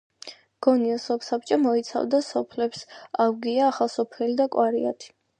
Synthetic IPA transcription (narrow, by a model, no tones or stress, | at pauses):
ɡ̥ɔniɔsɔpsap̚t͡ʃʼɔmɔit̪sʰa̰vd̪asɔpʰlɛpsawɡiaːχalˠsɔpʰɛlid̪akʼwaɾia̰t̪ʰi̥